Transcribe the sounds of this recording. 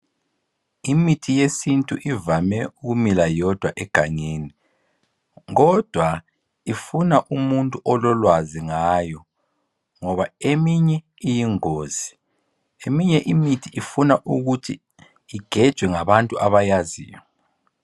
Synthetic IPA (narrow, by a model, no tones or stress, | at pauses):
imitʰijesintʼuʔivamɛuɣumilajɔd̥ʱwaʔɛɡ̥ʱaɲeːni | ŋɔd̥ʱwa | ifunaʔumuntʼuʔɔlɔlwaziŋajɔ | ŋɔβaemiɲɛ | ijiŋoːz̥i | emiɲɛʔimitʰiʔifunaʔuɣutʰi | iɡ̥ʱɛd̥ʒ̥ʱwɛŋaβantʼuʔaβajazḭːjɔ